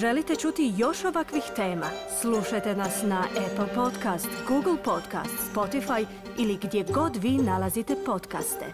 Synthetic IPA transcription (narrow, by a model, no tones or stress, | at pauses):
ʒe̞lit̪et͡ʃut̪ijo̞ʃo̞ʋakʋixt̪e̞ːmasluʃajt̪enasnaʔepl̩po̞t̪kast̪ɡuːɡl̩ˠpo̞t̪ka̰st̪spo̞t̪ifaj | iliɡd̪je̞ɡo̞d̪ʋiːnalˠazit̪e̞po̞t̪ka̰st̪ḛ